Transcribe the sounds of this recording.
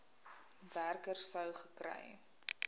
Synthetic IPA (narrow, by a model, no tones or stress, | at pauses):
værkərsəwχəkrɛ̰j